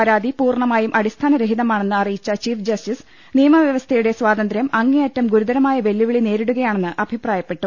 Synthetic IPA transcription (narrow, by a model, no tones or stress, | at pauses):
ɐɾaːd̪ipuːrɳɐmaːjumʔɐɽist̪ʰaːnɐɾeɦidðɐmaːɳe̞nːɨɐrijit͡ɕːɐt͡ɕiːfd͡ʑɐstis | nijɐmɐʋjɐʋɐst̪ʰɐjuɽe̞sʋaːd̪ɐnd̪ɾjɐmɐŋːejɐtːɐmɡuɾud̪ɐɾɐmaːjɐʋe̞lːiʋiɭine̞ːɾiɽuɣɐjaːɳenːɨʔɐbʱipraːjɐpːe̞ʈːu